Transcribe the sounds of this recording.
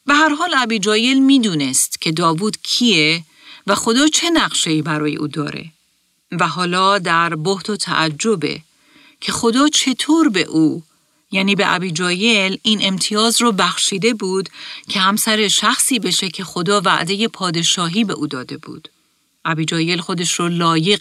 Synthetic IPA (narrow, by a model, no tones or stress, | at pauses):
be̞ɦæɾɦɒːlæbiːd͡ʒɒːje̞lmiːd̪uːne̞st̪cʰe̞d̪ɒːvuːd̪̥cʰie | væxo̞d̪ɒːt͡ʃʰe̞næɣʃe̞iːbæɾɒːje̞ʔuːd̪ɒ̰ːɾḛ | væɦɒːlɒːd̪æɾbo̞ht̪ot̪ʰæ̰ʔæd͡ʒːo̞be̞̰ | cʰe̞xo̞d̪ɒːt͡ʃʰe̞t̪ʰoːɾbe̞̰ʔuː | jæːniːbe̞ʔæ̰biːd͡ʒɒːje̞liːnʔe̞mt̪ʰijɒːzɾɔːbæxʃiːd̪e̞buːd̪cʰe̞hæmsæɾe̞ʃæxsiːbe̞ʃe̞cʰe̞xo̞d̪ɒːvæ̰ʔd̪e̞je̞pʰɒːd̪e̞ʃɒːɦiːbe̞ʔuːd̪ɒːd̪e̞bṵːd̪̥ | ʔæbiːd͡ʒɒːje̞lxo̞d̪e̞ʃrɔːlɒːje̞ɣ